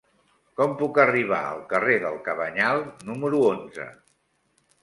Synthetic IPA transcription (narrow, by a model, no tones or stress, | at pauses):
kɔmpukəriβ̞a̰ə̰lˠkəreðəlˠkəβəɲalˠnuməɾuonzə̰